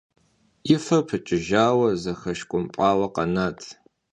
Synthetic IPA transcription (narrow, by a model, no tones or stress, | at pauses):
ɪfɐpʰɨt͡ʃʼɪʒaːwɐzɐxɐʃkʷʼʊmpʼɑːwɐqɐnaːtʰ